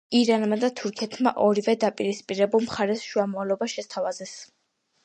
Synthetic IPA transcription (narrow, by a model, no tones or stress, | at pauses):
iɾanmad̪at̪ʰuɾkʰɛt̪ʰmaʔɔɾivɛd̪apʼiɾispʼiɾɛbulˠmχaɾɛsʃuamɔalˠɔbaʃɛst̪ʰavazɛs